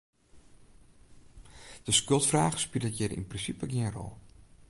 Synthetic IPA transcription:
d̥əskølˠtfraːɣə̥spilˠətjɛɾḭnprinsipəɡiənrɔ̰lˠ

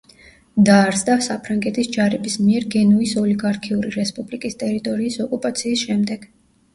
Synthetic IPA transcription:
d̪aːɾsd̪asapʰɾaŋɡɛt̪ʰisd͡ʒaɾɛbismiɛɾɡɛnuisɔliɡaɾkʰiuɾiɾɛspʼublikʼist̪ʼɛɾit̪ʼɔɾiːsɔkʼupʼat̪sʰiːsʃɛmd̪ɛɡ̥

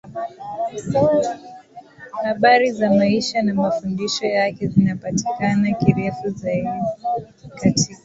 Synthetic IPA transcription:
haɓaɾizamaiʃanamafundiʃɔjakɛzinapati̥kanakiɾɛfuzaiɗi | katʰika

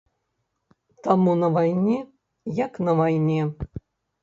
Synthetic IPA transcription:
t̪amunɐvajnʲe | jaknɐvajnʲe

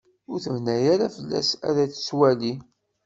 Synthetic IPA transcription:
ʊɾθəvnæjaɾafəlːæ̰sæ̰ðæt͡sːswæli

